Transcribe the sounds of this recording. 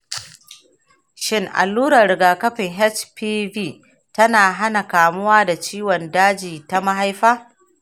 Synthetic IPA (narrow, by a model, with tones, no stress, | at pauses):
ʃɪ˦ŋʔa̰˨lːuː˦ɾɐ˨rɾɪ˨ɡaː˨kɐ˦ɸɪ˨ŋɦɛ˦t͡ʃpiː˦biː˦˨ | tɐ˦naː˨ɦa˦na˨kaː˨mʊ˦waː˦da˨t͡ʃiː˦wɔ˨ndaː˦d͡ʒiː˨ta˦ma˦ɦa˦jɸaː˦